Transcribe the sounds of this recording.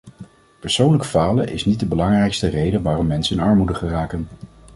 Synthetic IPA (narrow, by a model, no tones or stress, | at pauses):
pəɹsownləkəfaːləʔɪsnit̚dəbəlɑŋrɛjkstərejdəʋaːrɔmːɛnsəɪnɑɹmudəχəraːkən